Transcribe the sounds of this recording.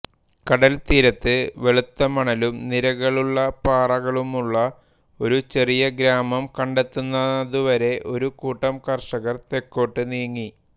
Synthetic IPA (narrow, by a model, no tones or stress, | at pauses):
kɐɽɐlt̪iːɾɐt̪ːɨʋe̞ɭut̪ːɐmɐɳɐlumniɾɐɣɐɭuɭːɐpaːrɐɣɐɭumuɭːɐ | o̞ɾut͡ɕe̞rijɐɡɾaːmɐmkɐɳɖe̞t̪ːunːɐðuʋɐɾe̞ʔo̞ɾukuːʈːɐmkɐrʂɐɣɐrt̪e̞kːo̞ːʈːɨniːŋːi